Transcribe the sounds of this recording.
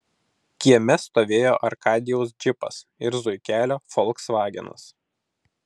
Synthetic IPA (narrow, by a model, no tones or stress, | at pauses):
kʲiɛmʲɛst̪oːʋʲeːjo̰ːʔɐɾkɑːd̪ʲɪjɛʊs̬d͡ʒʲɪpɐ̰sɪɾzʊɪkʲæːlʲoːfɔlˠˑksʋɑːɡʲɛ̰nɐ̰s